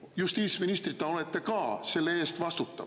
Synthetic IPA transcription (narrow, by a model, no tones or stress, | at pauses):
just̪iːt̪sminist̪ɾit̪ːˑɑo̞let̪ːˑe̞kɑːse̞lːee̞ːst̪vɑst̪ut̪ːˑɑ̰